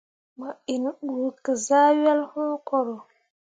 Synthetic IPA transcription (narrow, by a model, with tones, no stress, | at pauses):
ma˨i˨nɗu˨kə˨za˦wa˦lhũː˦kɔ˨ɾo˨